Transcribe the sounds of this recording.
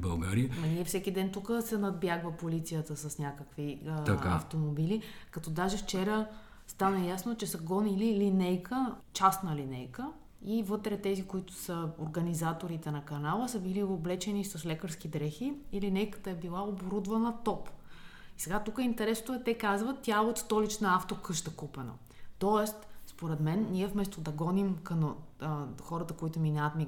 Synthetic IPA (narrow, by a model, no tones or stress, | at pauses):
bɐlˠɡa̰ɾiəmɐniɛfsɛkʲid̪ɛnt̪ukəsɛnɐd̪̚bjaɡvɐpolit̪sijət̪əsɐsnʲakəkviakaɐ̰ft̪omobilikɐt̪ɔd̪aʒɛft͡ʃɛɾə | st̪anɐjasnot͡ʃɛsɐɡɔnililinɛjkʰət͡ʃasnəlinɛjkə | ivɤt̪ɾɛt̪ɛzikoit̪ʊ̥səoɾɡɐnizat̪oɾit̪ɛnɐkɐnalˠəsəbilioblɛt͡ʃɛnisoslɛkəɾsk̟id̪ɾɛxiilinɛjkə̥t̪əɛbilˠaoboɾud̪vɐnət̪ɔpisɛɡat̪ukəint̪ɛɾɛsnot̪oɛt̪ɛkazvət̪ːʲjaɛot̪st̪ɔlit͡ʃnəaft̪okɤʃt̪əkupɛno̰ | t̪ɔɛst̪spoɾɛt̪mɛnːiɛfmɛst̪od̪ɐɡɔnimkəm | xɔɾət̪əkoit̪ʊminaət̪mi